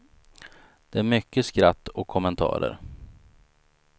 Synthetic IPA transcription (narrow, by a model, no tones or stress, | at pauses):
d̪̥ɛæɾmʏkːəskɾat̪ːɔkʰːɔmənt̪ʰɑ̰ːɾə̰ɾ